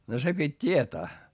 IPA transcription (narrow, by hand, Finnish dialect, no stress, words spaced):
no se pitʲ tʲietæː